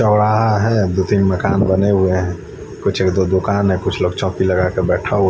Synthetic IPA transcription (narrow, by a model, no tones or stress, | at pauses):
t͡ʃɔːɽaɦɦɛd̪ot̪ĩːmməkaːnbəneɦʊeɦɛ̃ | kʊt͡ʃʰeːkd̪od̪ʊkaːnɦɛ̃kʊt͡ʃʰloːɡt͡ʃɔ̃ːpiləɡakebɛːʈʰaɦʊ